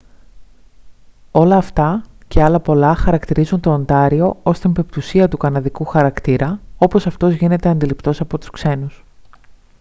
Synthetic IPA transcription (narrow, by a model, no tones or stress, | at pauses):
o̞lɐːft̪ɐce̞ɐlɐpo̞lɐxɐɾɐkt̪iɾizunt̪o̞ːnd̪ɐɾio̞o̞st̪impe̞pt̪usiɐt̪ukɐnɐðikuxɐɾɐkt̪iɾɐo̞po̞sɐft̪o̞zʝine̞t̪e̞ɐnd̪ilipt̪o̞sɐpo̞t̪u̥skse̞nus